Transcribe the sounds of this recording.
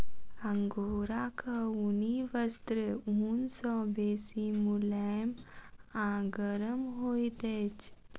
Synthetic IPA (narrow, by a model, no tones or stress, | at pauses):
əŋɡoːɾakʰauniʋəst̪ɾəunsɔ̃besimulamãɡəɾəmɦojd̪et͡ʃ